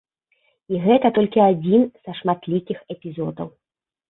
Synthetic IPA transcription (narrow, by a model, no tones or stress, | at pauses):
iɣɛt̪ɐt̪ɔlʲkʲiad͡zʲinz̥ɐʂmat̪lʲikʲixɛpʲizɔd̪ɐ̰w